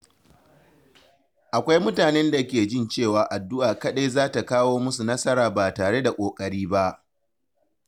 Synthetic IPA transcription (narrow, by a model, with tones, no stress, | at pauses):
ʔa˨kʷa˦jmʊ˦taː˨nɛ˦nda˨kʲeː˨d͡ʒɪ˦˨nt͡ʃeː˦˨waː˨ʔa˨dːʊ˦ʔaː˨kɐ˦ɗa˦jzaː˦ta˨kaː˦woː˦mʊ˦su˨nɐ˦sɐ˦ɾaː˨baː˨taː˨ɽe˦da˨kʷʼoː˨kʼɐ˨ɽiː˦ba˦ʔ